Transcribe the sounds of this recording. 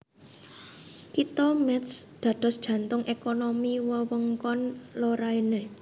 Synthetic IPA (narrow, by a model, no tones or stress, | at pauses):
kit̪ɔmɛt̪sd̪̥ä̤d̥ɔ̤sd̥ʒ̥ä̤nt̪ʊŋʔekonomiwəwəŋkɔnloɾaine